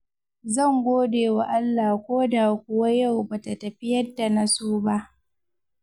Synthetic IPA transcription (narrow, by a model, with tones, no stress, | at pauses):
zɐ˦˨ŋɡʷoː˦deː˨wa˨ʔa˦lːaː˨kʷoː˦da˨kʷʊ˦wa˦ja˦˨wba˨ta˨tɐ˨ɸɪ˦jɐ˦dːa˨na˦suː˦ba˦ʔ